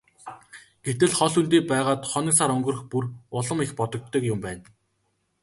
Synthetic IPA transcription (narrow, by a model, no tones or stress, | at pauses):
ɡ̥et̪ɘ̆ɮχɔɮunt̪iːpæːʁaːt̪χɔn̆saɾɵŋɡɵ̆rɵ̆xpurʊɮə̆mixpɔt̪ɞ̆k̚t̪ːɞ̆kjʊmpæːn